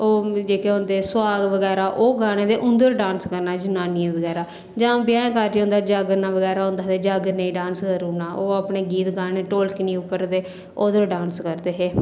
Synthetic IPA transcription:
oːd͡ʒeːkeɦõːnd̪eːsʊwaːɡʋəɡɛːɾaːʔoːɡaːñeːd̪eːʔʊ̃nd̪əɾɖãːnskəɾnaːd͡ʒənaːniẽːʋəɡɛːɾaː | d͡ʒãːbjãːkaːd͡ʒːõːnd̪aːd͡ʒaːɡəɾnaːʋəɡɛːɾaːɦõnd̪aːd̪eːd͡ʒaːɡəɾnəĩːɖãːnskəɾuːnaːʔoːaːpneːɡiːt̪ɡaːneːʈoːlkɪnĩːʊpːəɾd̪eː | oːd̪əɾɖãːnskəɾd̪eːɦeː

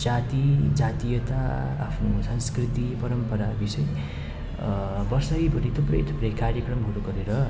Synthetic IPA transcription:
d͡zat̪id͡zat̪ijʌt̪a̰ːpʰnusʌ̃nskrit̪ipʌɾʌmpʌɾabisʌj | bʌrsʌjbʱʌɾit̪ʰuprʌ̰jt̪ʰu̥prʌjkaɾjekrʌmɦuɾukʌɾeɾʌ

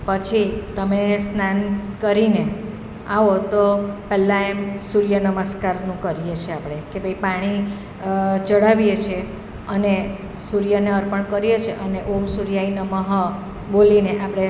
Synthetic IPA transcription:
pət͡ʃʰit̪əmesnankəɾine | aʋot̪opɛlːãemsuɾjənəməskaɾnũkəɾijet͡ʃʰeapɽ̃ekebʱəipaɽ̃i | t͡ʃəɽaʋijet͡ʃʰe | əne | suɾjəneəɾpəɳkəɾjet͡ʃʰeʔəneʔomsuɾijainəməɦə | bolineʔapɽ̃e

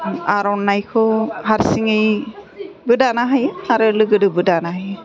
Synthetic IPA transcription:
aɾɔnːajkʰɔhaɾsiŋej | bɯdanaɦajaɾɯlɯɡɯdɯbɯdanaɦaj

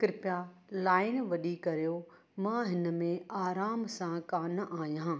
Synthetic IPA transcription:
kɾɪpa | laːɪnʋɐɗikɐɾjo | mãɦɪnə̆mẽaːɾaːmsãkaːnʔaːjãː

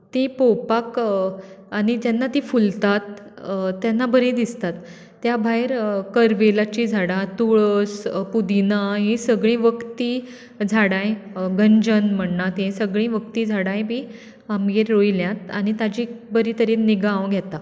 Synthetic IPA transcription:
t̪ĩpowpak | añid͡ʑanːat̪ĩːfult̪at̪ | t̪ːjanːabəɾẽd̪ist̪at̪ː | jabʱajɾkəɾʋelat͡ɕid͡zʱaɽãt̪uɭəspud̪inaɦĩsəɡɭĩːʋəkt̪i | d͡zʱaɽãjɡəɲd͡ʑənm̤əɳːat̪ɦẽsəɡɭĩːʋəkt̪iːd͡zʱaɽãjbʱiː | amɡeɾːojiljãt̪añit̪ad͡ʑiːbəɾit̪əɾiːniɡãʋɡʱjɛt̪a

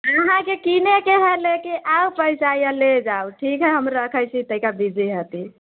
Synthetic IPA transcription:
uɦãkekinekeɦelekiʔawpəjsajjəled͡ʒawʈʰikɦɛɦəmɾəkʰəjt͡ʃʰit̪əɦikabid͡ʒiɦət̪i

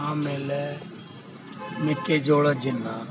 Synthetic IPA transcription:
ãːmelɛ | nɪked͡ʒoːɽad͡ʒɪnːa

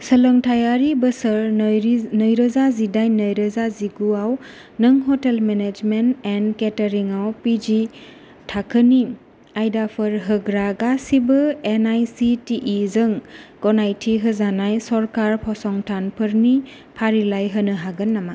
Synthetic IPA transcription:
səlɔŋtʰajaɾibəsəɾnəjɾəzazidajnəjɾəzaziɡuaw | nɯŋɦɔtelmened͡ʒmentenketɐɾiŋawpid͡ʒi | tʰakʰəni | ajdapʰɯɾɦɯɡɾaɡasibɯenajsitiʔizɯŋɡɔnajtʰiɦɯzanajsɔɾkaɾpʰɔsɔŋtʰanpʰɯɾni | pʰaɾilajɦənɯɦaɡɯnːama

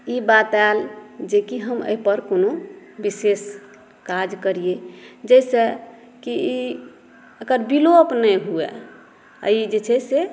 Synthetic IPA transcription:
ibat̪ald͡ʒekiɦəmə̰ɦipəɾkono | bises | kad͡ʒkəɾied͡ʒəjsə | kii | əkəɾbilopnɛɦuḛ | a̰id͡ʒet͡ʃʰɛse

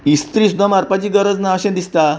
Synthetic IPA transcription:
ist̪ɾiːsud̪əmaɾpat͡ɕiːɡəɾəd͡znaɕẽnd̪ist̪a

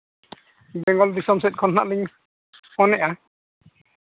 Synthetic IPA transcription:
bɛŋɡɔlbisɔmsɛt̚kʰɔnːaʔliŋ | ɔnɛʔa

